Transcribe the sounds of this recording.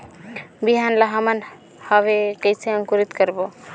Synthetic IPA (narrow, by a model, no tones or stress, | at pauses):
biɦanlaɦəmən | hʌβekəjt͡ʃʰeəŋkuɾit̪kəɾbo